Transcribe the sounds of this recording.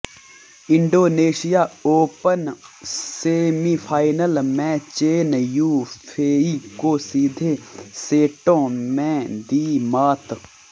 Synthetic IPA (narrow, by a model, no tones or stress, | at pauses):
ɪ̃ɳɖoːneːʃɪjaːoːpənseːmipʰaːɪnəlmɛ̃t͡ʃeːnjuːpʰeːikoːsiːd̪ʱeseːʈõːmɛ̃d̪iːmaːt̪